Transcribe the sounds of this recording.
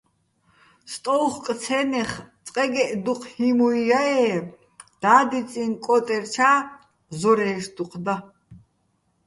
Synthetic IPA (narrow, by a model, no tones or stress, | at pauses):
st̪ʼɔlχkʼt͡sʰɛnɛχt͡sʼqʼɛɡɛʔd̪uqʰhimuijaɛː | d̪̥aːd̪it͡sʼinkʼɔt̪ʼɛɾt͡ʃʰaː | zɔɾɛːsd̪uqʰd̪a